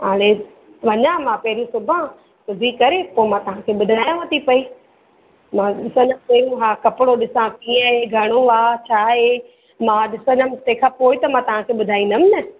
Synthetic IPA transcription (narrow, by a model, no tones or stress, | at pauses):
ɦaːɽ̃e | ʋɐɲãmãːpɐɦɾũsʊbʱã | sʊbʱikɐɾepoːɪmãt̪ɐɦãkʰeːɓʊd̪ʱaːjãʋɐt̪ipɐi | mãɗɪsə̃nɐ̃pɐːɾjũɦaːkɐpɪɽoɗɪsãkĩə̃ɦeɡʱɐɽ̃oʋaːt͡ɕʰaːɦe | mãɗɪsə̃nəmɪt̪ekʰapoːɪt̪ɐmãt̪ɐʋ̤ãkʰeːɓʊd̪ʱaːĩnd̪ɐmnɐ